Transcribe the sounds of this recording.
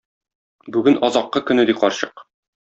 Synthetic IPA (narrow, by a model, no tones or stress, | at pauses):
bʉɡɘnɒzɑqːɤkɵ̆nɘ̆d̪iqɒɾɕɤq